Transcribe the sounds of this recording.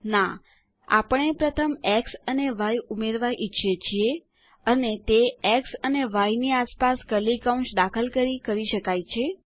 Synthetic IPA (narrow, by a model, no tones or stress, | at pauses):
na | a̰pəɳepɾət̪ʰəmeksəneʋajumeɾʋaʔit͡ʃʰet͡ʃʰie | ənet̪eeksəneʋajniaspaskəlikaũɳsd̪akʰəlkəɾikəɾiʃəkajt͡ʃʰe